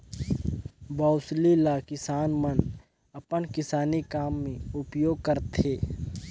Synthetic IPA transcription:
bɔʊslilakɪsaːnmən | ɐpənkɪsaːnikaːmːẽʊpjoːɡ̚kəɾt̪eː

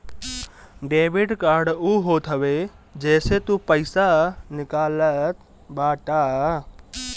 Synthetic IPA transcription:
ɖeːʋɪɖkaːɾɖuːɦoːt̪ɦəʋe | d͡ʒɛːset̪upəɪsanɪkaːlət̪ | baːʈa

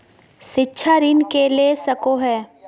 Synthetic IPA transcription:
ʃɪtːʃʰaɾɪnkelesɐkoɦɛː

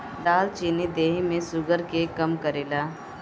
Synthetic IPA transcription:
laːlt͡ʃinid̪eːɦimẽsʊɡəɾkekɐmkəɾeːlaː

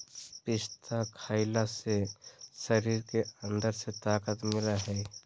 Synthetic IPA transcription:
pɪst̪ʰakʰaːɪlasesəɾiːɾkeə̃nd̪əɾset̪aːkət̪mɪlaɦɛː

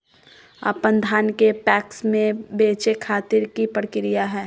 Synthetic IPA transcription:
a̰ːpə̃nd̪ʱaːnkepɛːksmẽbeːt͡ʃekʰaːt̪ɪɾkipəɽkɪɾijaɦɛː

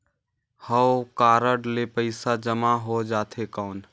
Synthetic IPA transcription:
həkaːɾəɖlepəɪsad͡ʒəmaɦod͡ʒat̪ʰekəʊn

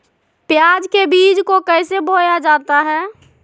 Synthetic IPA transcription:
pjaːd͡ʒkebiːd͡ʒkokəɪsebojad͡ʒaːt̪aɦɛː

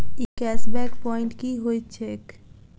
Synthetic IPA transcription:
ikɛsbɛkpɔɪ̃ɳʈkiɦojt̪t͡ʃʰek

